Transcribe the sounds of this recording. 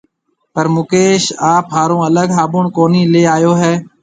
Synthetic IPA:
pəɾmʊkeːʃaːpɦaːɾõːələɡɦaːbʊɳkoːniːleːaːjoːɦɛː

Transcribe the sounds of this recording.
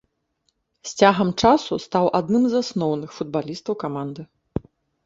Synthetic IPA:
sʲt͡sʲaɣɐmt͡ʂasust̪awʔad̪nɨmzasnɔwnɨxfud̪̚balʲist̪ɐwkamand̪ɨ

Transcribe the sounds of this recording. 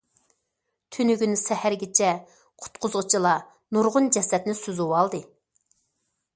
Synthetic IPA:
t̪ʰynyɡʲynsɛhæɾɡʲɪt͡ʃʰɛ | qʰʊ̥t̪qʰʊzʁʊt͡ʃʰilˠɑ | nuɾʁʊnd͡ʒɛsɛt̪nɪsyzuwɑlˠd̪ɨ

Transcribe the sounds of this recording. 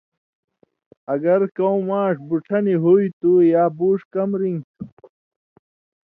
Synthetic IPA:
ɐɡɐɾkɐw̃maːʂbuʈʰɐniɦuit̪ujaːbuːʂkɐmɾiŋɡ

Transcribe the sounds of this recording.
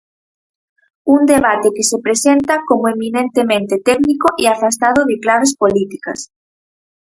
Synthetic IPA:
und̪eβat̪ekesepɾesent̪akomoemĩnẽnt̪emẽnt̪et̪ɛknikoʔeafast̪að̞oðɪklaβ̞espolit̪ika̰s

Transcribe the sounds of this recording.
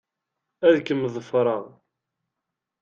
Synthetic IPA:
æðkəmðˤəfɾˤɑʁ

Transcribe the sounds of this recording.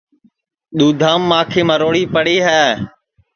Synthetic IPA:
ɗ̪uːd̪ʱaːmːãːkʰeːmãːɾoːɽiːpəɽeːɦɛː

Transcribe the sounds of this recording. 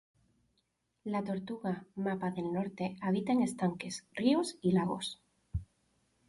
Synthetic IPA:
lat̪o̞ɾt̪uɣamapaðe̞lno̞ɾt̪e̞aβ̞it̪aeŋe̞st̪aŋke̞sriosilaɣ̞o̞̰s

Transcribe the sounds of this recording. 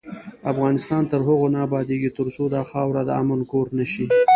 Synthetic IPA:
afɣɑnɪst̪ɑnt̪əɾɦʊɣonɑbɑd̪eɡit̪əɾsod̪ɑxɑwɾad̪əa̰mənkoɾnaʃi

